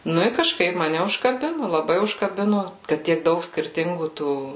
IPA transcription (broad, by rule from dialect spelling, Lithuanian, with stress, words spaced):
ˈnʊ ɪ kɐʃˈkɐɪp mɐˈnʲɛ ʊʃkɐˈbʲɪnʊ lˠɐˈbɐɪ ʊʃkɐˈbʲɪnʊ ˈkɐt tʲiɛk ˈdɐʊk sʲkʲɪrʲˈtʲɪŋɡuː ˈtuː